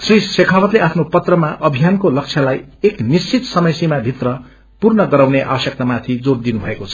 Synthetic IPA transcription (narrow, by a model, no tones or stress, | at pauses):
srisekʰawʌt̪leapʰnopʌt̪rʌmaʔʌbʱijankolʌk̚t͡sʰjalajeknist͡sit̪sʌmʌjsimabʱit̪rʌ | purnʌɡʌɾawneʔa̰bʌsjʌk̚t̪amat̪ʰid͡zord̪inubʱʌekot͡sʰʌ̥